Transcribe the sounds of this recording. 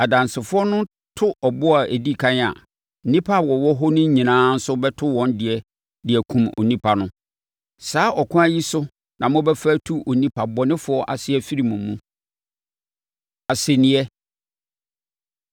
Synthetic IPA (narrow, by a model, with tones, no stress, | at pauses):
a˨dã˨nsɪ˨fʊ˦ɔ˦nʊ̃˦ | tʰʊ˦ʔɔ˨bʊ˦a˨e˨di˦kʰã˦n˦a̰˨ | n̩˨nĩ˦pʰa˦˨wɔ˨wɔ˦ɦʊ˦nʊ̃˦ɲĩ˨nãː˦n̩˦sʊ˦bɛ˦tʰʊ˦wɔ̃˦ndɪ˨ɛ˨ | dɪ˨ɛ˨kʰũ˨mo̰˨nĩ˦pʰa˨nʊ̃˦ | saː˨˦ʔɔ˨kʰʊ̃˦æ˦ji˦sʊ˦ | nʔã˨mʊ̃˦bɛ˦fæ˦tʰu˦ʔo˨nĩ˦pʰa˨bɔ˨nɪ̃˦fʊ˨˦ɔ˦ʔa˨sɪ˦ɛ˦fi˦ɾi˨mũ˨˦mːũ˦ | a˨se˨nɪ̃˨˦ɛ˦